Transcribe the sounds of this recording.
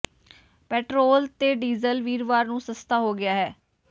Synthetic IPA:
pɛːʈɾoːlt̪eːɖiːzəlʋiːɾʋaːɾnũːsəst̪ʰaːɦoːɡɪaːɦɛː

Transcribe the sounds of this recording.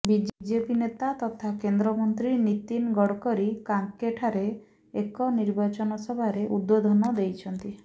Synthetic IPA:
bid͡ʒd͡ʒepinet̪at̪ɔt̪ʰakend̪ɾɔmɔnt̪ɾinit̪inɡɔɽkɔɾikaŋkːeʈʰaɾe | ekɔniɾbat͡ʃɔnɔsɔbʱaɾeʔud̪ːod̪ʱɔnɔd̪ejt͡ʃʰɔnt̪i

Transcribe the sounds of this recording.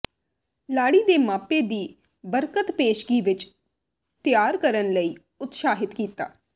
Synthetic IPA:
laːɽiːd̪eːmaːpeːd̪iː | bəɾkət̪peːʃɡiːʋɪt͡ʃ | t̪ɪjaːɾkəɾənləiː | ʊt̪ʃaːɦɪt̪kiːt̪a̰ː

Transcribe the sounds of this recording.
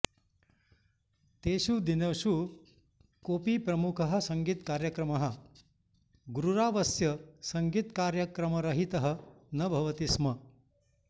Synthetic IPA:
t̪eːɕud̪inɐʋʃu | koːpiːpɾɐmukʰɐɦɐ̆sɐŋɡiːt̪kaːɾjɐkɾɐmɐɦɐ̆ | ɡuɾuɾaːʋɐsjɐsɐŋɡiːt̪kaːɾjɐkɾɐmɐɾɐɦit̪ɐɦɐ̆ | nɐbʱɐʋɐt̪ismɐ

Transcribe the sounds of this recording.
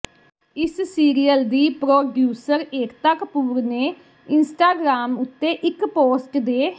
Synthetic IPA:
ɪssiːɾijəld̪iːpɾoːɖjuːsəɾeːkt̪əkpuːɾneː | ɪnsʈaːɡɾaːmʊt̪ːeːʔɪkpoːsʈd̪eː

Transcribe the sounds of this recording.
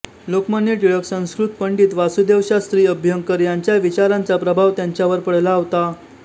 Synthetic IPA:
lokmənjeʈiɭəksə̃w̃skɾut̪̚pəɳɖiːt̪ʋasud̪eʋɕast̪ɾiːəbʱjəŋkəɾjaɲt͡ɕjaʋit͡ɕaɾãnt͡sapɾəbʱaʋt̪jaɲt͡ɕjaʋəɾpəɽlaːʋt̪a

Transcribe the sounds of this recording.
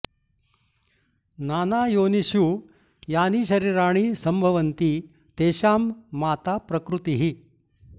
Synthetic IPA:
naːnajoniɕu | jaːniːɕɐɾiɾaːɽ̃iːsɐmbʱɐʋənt̪iː | t̪eːɕaːmːaːt̪apɾɐkɾut̪iɦi

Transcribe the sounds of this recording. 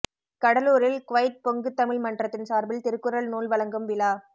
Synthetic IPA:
kɐɽɐluːɾɪlkʊʋɐjt̪̚pɔŋɡɯt̪ːɐmɪlmɐɳɖrɐt̪ːɪnsaːɾbɪlt̪ɪɾɯkːɯɾɐlnuːlʋɐlɐŋɡɯmʋɪlaː

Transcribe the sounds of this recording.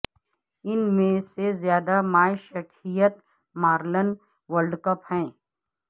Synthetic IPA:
ɪnmẽsezjaːd̪amaːjʃəʈʰijət̪ | maːɾlən | ʋəɾɖkəphɛ̃ː

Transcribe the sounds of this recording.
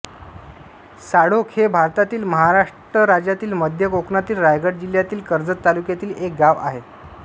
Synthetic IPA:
saɽokʰebʱaɾt̪at̪iːlməɦaɾaʂʈɾəɾad͡ʑjat̪iːlməd̪ʱjəkoknat̪iːlɾajɡəʈ̚d͡ʑiljat̪iːlkəɾd͡zət̪ːalukjat̪iːlek̚ɡaʋa̰ɦe

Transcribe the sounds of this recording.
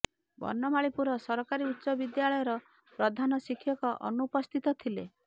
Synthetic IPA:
bɔ̰nːɔmaɭipuɾɔsɔɾɔkaɾiut̪ːsɔbid̪jaɭɔjɔɾɔ | pɾɔd̪ʱanɔsikʰːjɔkɔʔɔ̰nupɔst̪ʰit̪ɔt̪ʰile

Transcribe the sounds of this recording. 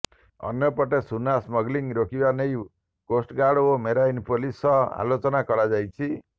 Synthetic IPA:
ɔ̰njɔpɔʈesunasmɔɡliŋɾokʰibanej | kosʈɡaɽomeɾajnpolisɔa̰lot͡ʃɔnakɔɾad͡ʒajt͡ʃʰi

